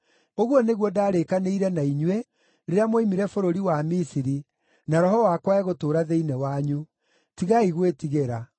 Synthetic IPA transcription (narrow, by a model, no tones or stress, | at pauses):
oɣwɔneɣwɔdaːɾekaneiɾɛnaiɲwe | ɾeɾeamwoimiɾɛfoɾoɾiwamisiɾi | naɾɔɦɔwakwaɛɣotoːɾaðeinɛwaɲu | tiɣaiɣwetiɣeɾa